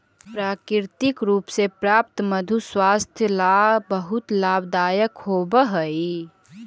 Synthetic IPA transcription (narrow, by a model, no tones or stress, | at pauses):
pɾaːkɪɾt̪ɪkɾuːpsepɾaːp̚t̪məd̪ʱuswaːst̪ʰjəlabəɦʊt̪laːbd̪aːjəkɦobəɦəi